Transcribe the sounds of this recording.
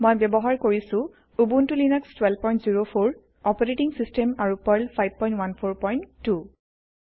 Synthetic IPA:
mojbɛbɔɦaɹkoɹisʊ̃ | ubuntulinɛkstwɛlpɔjntziɹopʰoɹ | ɔpɔɹetiŋsistemaɹupɔɹlpʰajb̚pɔjntwanpʰoɹpɔjnːu

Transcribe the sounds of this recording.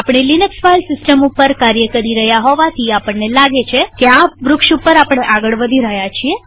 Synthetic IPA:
apɳ̃elinəksfalsɪsʈəmupːəɾkaɾjəkəɾiɾəɦjaɦɔʋat̪ʰiapəɳnelaɡet͡ʃʰekeaʋɾʊkʃupːəɾapɽ̃eʔaɡəɭʋəd̪ʱiɾəɦjat͡ʃʰie

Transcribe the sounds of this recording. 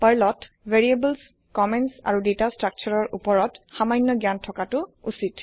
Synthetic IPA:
pəɹlɔt | veɹiebəls | kɔmɛnsa̰ɹudetastɹak̚t͡ʃʰɔɹɔɹʔupɔɹɔtxamajnːɔɡjantʰɔkatʊusit

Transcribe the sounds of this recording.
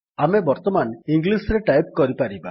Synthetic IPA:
amebɔɾt̪ɔmaniŋɡlisɾeʈajp̚kɔɾipaɾiba̰

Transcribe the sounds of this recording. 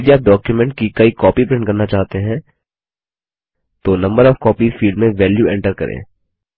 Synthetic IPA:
d͡ʒiaːp̚ɖɔːkjumɛ̃ɳʈkikɐikɔːpipɾɪ̃ɳʈkɐɾnat͡ʃaːɦt̪eɦɛ̃ː | t̪oːnɐ̃mbəɾɔːfkɔːpifiːɖmẽʋɛːljuɛ̃ɳʈəɾkɐ̰ɾʔḛ̃ː

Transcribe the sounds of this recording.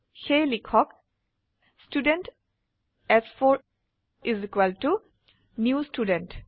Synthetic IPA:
helikʰɔk | sʈuːɖə̃ɳʈ | ɛsfɔɾ | ʔɪzikwəlʈu | njuːsʈuːɖə̃nʈ

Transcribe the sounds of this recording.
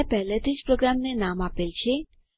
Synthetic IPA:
pɛɦlet̪ʰid͡ʒpɾoɡɾamnenamapelt͡ʃʰe

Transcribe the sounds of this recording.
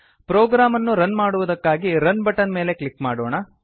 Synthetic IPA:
pɾoːɡɾaːmɐnːuɾɐnmaːɽuʋud̪ɐkːaːɡiɾɐnbɐʈːɐnme̞ːle̞klikːmaːɽoːɳɐ

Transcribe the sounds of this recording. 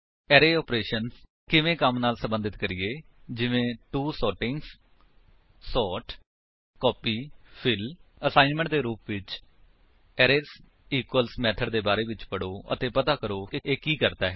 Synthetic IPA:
ɛːɾeːɔːpɾeːʃəns | kɪʋẽːkəmnaːlsə̃mbənd̪ɪt̪kəɾɪjeː | d͡ʒɪʋẽːʈuːsɔːʈɪŋɡs | sɔːʈ | kɔːpiːpʰɪləsaːɪnmə̃ɳʈd̪eːɾuːpʋɪt͡ʃ | ɛːɾeːs | iːkəlsmɛːt̪ʰəɖd̪eːbaːɾeːʋɪt͡ʃpəɽoːə̰t̪eːpət̪aːkəɾoːkɪeːkiːkəɾd̪aːɦɛ

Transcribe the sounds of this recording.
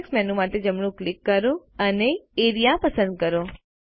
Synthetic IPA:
ksmɛ̃nũmat̪ed͡ʒəmɳ̃ũklɪkːəɾoəneeɾijapəsə̃nd̪̚kəɾo

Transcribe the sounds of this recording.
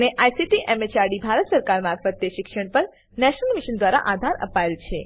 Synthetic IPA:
neʔajsiʈiʔɛmet͡ʃaɾɖibʱaɾət̪səɾkaɾmaɾfət̪ːjeʃɪkʃəɳ̃pəɾ | nɛʃənəlmiʃənd̪ʋaɾa̰ʔad̪ʱaɾə̰paelt͡ʃʰe

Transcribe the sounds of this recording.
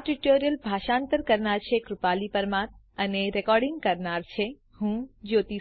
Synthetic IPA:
ʈuʈoɾijəlbʱaʃãnt̪əɾkəɾnaɾt͡ʃʰekɾupalipəɾmãt̪ | əneɾɛkɔɾɖɪŋɡkəɾnaɾt͡ʃʰe | hũd͡ʒot̪i

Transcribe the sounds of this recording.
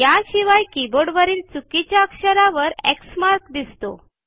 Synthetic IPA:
jaɕiʋajkiboɖʋəɾiːlt͡sukit͡ɕjaəkɕəɾaʋəɾḛksmaɾkd̪ist̪o̰

